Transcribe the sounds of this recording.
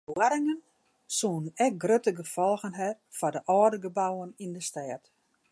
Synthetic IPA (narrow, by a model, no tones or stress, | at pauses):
waɾɪŋən | suːənɛk̚ɡrøtəɡəfɔlˠɣənɦɛr | fɔdəʔɔːdəɡəbawənindəstɛːt